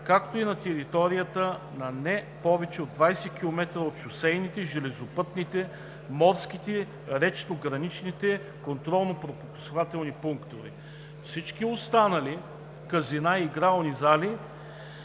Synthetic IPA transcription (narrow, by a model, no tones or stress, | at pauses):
kakt̪oinɐt̪ɛɾit̪ɔɾijət̪ənɐnɛ | pɔvɛt͡ʃɛod̪vajsɛkʲilˠomɛt̪ɾəot̪ʃʊsɛjnit̪ɛʒɛlɛzopɤt̪nit̪ɛ | mɔɾsk̟it̪ɛ | ɾɛt͡ʃnoɡɾɐnit͡ʃnit̪ɛ | kont̪ɾɔlˠnopɾopopo̥sovat̪ɛlˠnipuŋkt̪oɾḭ | fsit͡ʃkʲiost̪anɐli | kəzinaiɡɾalˠnizali